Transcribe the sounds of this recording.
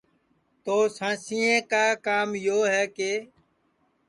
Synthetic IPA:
t̪oːsãːsĩːẽːkaːkaːmjoːɦɛːkeː

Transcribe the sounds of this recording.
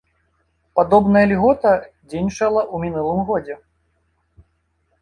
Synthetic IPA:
pad̪ɔbnɐjɐlʲɣɔt̪ɐ | d͡zʲenʲt͡ʂɐlˠɐʔumʲinulˠɨmɣɔd͡zʲɛ

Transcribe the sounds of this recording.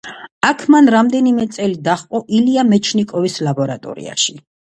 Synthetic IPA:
akʰmanɾamd̪ɛnimɛt̪sʼɛlid̪aχqʼɔʔiliamɛt͡ʃʰnikʼɔvislabɔɾat̪ʼɔ̰ɾḭa̰ʃi

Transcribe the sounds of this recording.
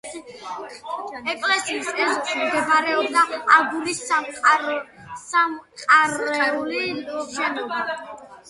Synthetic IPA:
ɛkʼlɛsiisɛsmɡɛvaɾɛɔb̚d̪aaɡuɾisamqʼa | samqʼaɾɛuliʃɛnɔba

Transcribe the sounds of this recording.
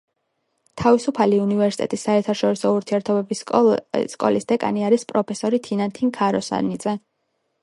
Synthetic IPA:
t̪ʰavisupʰaliunivɛɾsit̪ʼɛ̰t̪ʼisːaɛɾt̪ʰaʃɔɾisɔuɾt̪ʰiɛɾt̪ʰɔbɛbi | skʼɔ̰lisd̪ɛkʼa̰niaɾispʼɾɔpʰɛsɔɾit̪ʰinant̪ʰiŋkʰaɾɔsa̰nit̪zʼɛ

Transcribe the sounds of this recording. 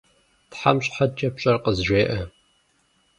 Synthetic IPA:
tħa̰mɕʼħad̚t͡ʃʼɐpɕʼɐrqəzʒʷeːʔɐ

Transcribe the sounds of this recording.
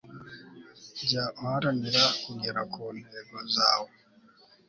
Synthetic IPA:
ɟaʔohaɾaniɾakuɡeɾakʰoneɡozaːwo

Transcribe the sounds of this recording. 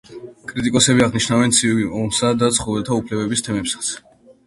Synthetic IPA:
kʼɾit̪ʼikʼɔsɛbiaʁniʃnavɛnt̪sʰiviɔmsad̪at̪sʰχɔvɛlt̪ʰaupʰlɛbɛbist̪ʰɛmɛpsḁt̪sʰ

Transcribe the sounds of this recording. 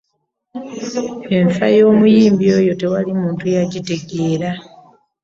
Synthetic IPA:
e̞ɱfa̰jo̞ːmujiːmbio̞ːjo̞te̞walimuːntujaɟite̞ɡeːɾa

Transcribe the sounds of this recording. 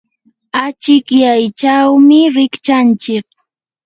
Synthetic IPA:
at͡ʃɪkjajt͡ʃawmɪɾɪkt͡ʃant͡ʃɪk̚

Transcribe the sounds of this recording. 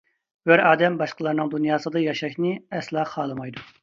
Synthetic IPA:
bæɾɑːd̪ɛmbɑʃqəlˠɑɾnɨŋd̪unjɑːsɨd̪ɑjɑʃɑkʲnɨɛslˠɑːχɑːlˠɨmɑjd̪u

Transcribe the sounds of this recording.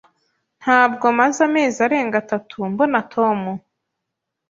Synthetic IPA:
n̥haːb̚ɡo̞mazame̞ːzaɾe̞ːŋɡatatʰumbonatʰo̞mu

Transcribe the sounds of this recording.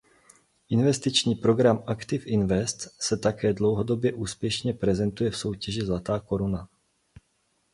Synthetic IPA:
ʔɪnvɛst̪ɪt͡ʃɲiːpɾo̞ɡɾamʔakt̪ɪfʔɪnvɛst̪sɛt̪akɛːdlo̞wɦo̞do̞bjɛʔuːspjɛʃɲɛpɾɛzɛnt̪ujɛfso̞wcɛʒɪzlat̪aːko̞ɾuna

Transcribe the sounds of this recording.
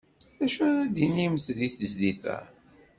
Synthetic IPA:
æʃʊɾæd̪inimθðiθəzd̪iθæ̰

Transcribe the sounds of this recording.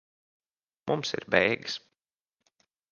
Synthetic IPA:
mʔumsḭɾbɛjɡɨs

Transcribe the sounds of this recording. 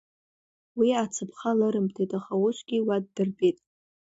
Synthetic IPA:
wiat͡sʰɨpʰχalɨɾɨmtʰejtʼaχawʊʃʷʰʼɡʲiwadːɨrbetʼ

